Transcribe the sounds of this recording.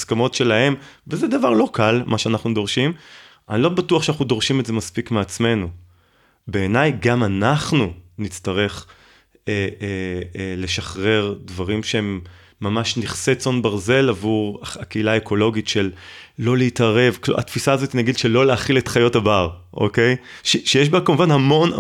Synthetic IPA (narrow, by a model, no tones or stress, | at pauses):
skamo̞tʃe̞lahe̞mvezɛd̪avaʁlo̞kʰalmʔaʃeanaχnudo̞ʁʃim | ʔa̰nilo̞batuaχʃeanaχnudo̞ʁʃimetzemaspikmeat͡sme̞nu | be̞ːnajɡamanaχnunit͡staʁe̞χ | eele̞ʃaχʁe̞ʁdvaʁimʃeemː | amaʃniχset͡so̞nbaʁze̞lavuʁaakeilaekʰo̞lo̞ɡitʃelːo̞leitaʁe̞vklṵa̰tfisaːzot̪inaɡidʃelo̞leaχiletχajo̞tabaʁʔo̰ke̞jʃeʃejeʃbekamuvanhamo̞n